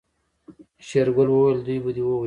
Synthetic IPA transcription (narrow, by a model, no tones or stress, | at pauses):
ʃeɾɡʊlwowajld̪ujbəd̪iwow